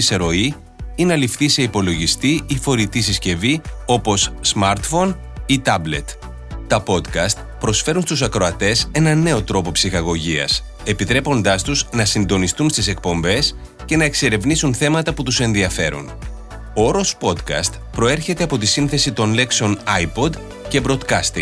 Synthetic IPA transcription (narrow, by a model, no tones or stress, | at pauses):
iseɾo̞i | inɐlifθise̞ipo̞lo̞ʝist̪iifo̞ɾit̪is̬isce̞vio̞po̞sːmɐɾt̪fo̞n | it̪ɐble̞̰t̪ | t̪ɐpo̞t̪kɐst̪ | pɾo̞sfe̞ɾunst̪usɐkɾo̞ɐt̪e̞se̞nɐne̞o̞t̪ɾo̞po̞psixɐɣo̞ʝiɐ̰s | e̞pit̪ɾe̞po̞nd̪ɐst̪uznɐsind̪o̞nist̪unst̪ise̞k̚po̞mbe̞s | ce̞nɐe̞kse̞ɾe̞vnisunθe̞mɐt̪ɐput̪use̞nðiɐfe̞ɾṵn | ooɾo̞spo̞d̪kɐ̰st̪ | pɾo̞e̞ɾçe̞t̪e̞ɐpo̞t̪isinθe̞sit̪o̞nle̞kseo̞nɐjpo̞d̪ | ce̞bɾo̞d̪kɐst̪ḭŋ